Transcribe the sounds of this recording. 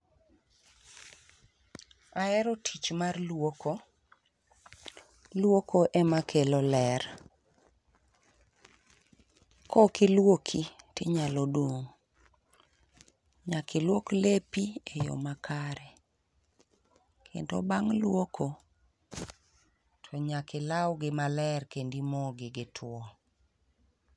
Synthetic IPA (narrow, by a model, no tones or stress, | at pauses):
aɛɾɔtʰit͡ʃmarlwoko | lwokʰoʔɛmakʰelɔlɛr | kokilwokʰitɪɲalodwoŋ | ɲakɪlwoklepiejɔ̰makʰaɾɛ | kʰḛndo̰baŋlwokʰo | tʰɔɲakɪlawɡɪmalɛrkendimoɡɪɡɪtʰwɔ